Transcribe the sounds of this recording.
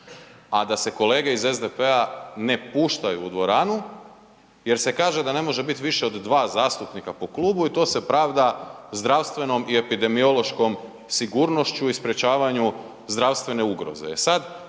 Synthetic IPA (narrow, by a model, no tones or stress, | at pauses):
ad̪ase̞ko̞le̞ːɡe̞izezd̪epeane̞puːʃt̪ajuːd̪ʋo̞ɾaːnu | je̞ɾse̞kaːʒe̞d̪ane̞mo̞ʒe̞bit̪ʋiʃe̞od̪ːʋaːzaːst̪upnikapo̞kluːbuit̪o̞ːse̞pɾaʋd̪azd̪ɾaʋst̪ʋe̞no̞mie̞pid̪e̞mio̞lo̞ʃko̞m | siɡuɾno̞ʃt͡ɕuispɾe̞t͡ɕaːʋaɲu | zd̪ɾaʋst̪ʋe̞ne̞uɡɾo̞̰ze̞̰ːsad̪